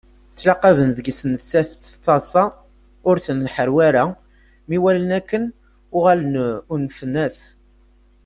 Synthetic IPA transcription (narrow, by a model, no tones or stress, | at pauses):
t͡sːlɑqɑvənðəɡsənθsæθt̪ˤːɑsˤɑ | ʊɾθənħəɾwæɾæ | miwælənækːən | ʊʁalənunfənːæs